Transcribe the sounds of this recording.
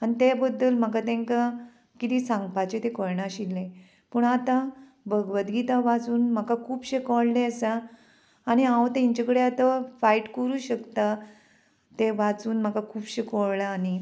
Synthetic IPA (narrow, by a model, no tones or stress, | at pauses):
anit̪ebəd̪ːəlm̤əkat̪ẽŋka | kit̪iːsãŋɡ̚pat͡ɕet̪ekɔɭɳaɕilːẽ | pəɳat̪ã | bəɡʋət̪ɡit̪aʋat͡suːnm̤əkakʰuːbɕekɔɽleəsaː | ñiãwt̪eiɲt͡ɕekəɽeat̪afaiʈkəɾuːɕəkt̪a | t̪eʋat͡suːnm̤əkakʰuːbɕekɔɭlaːni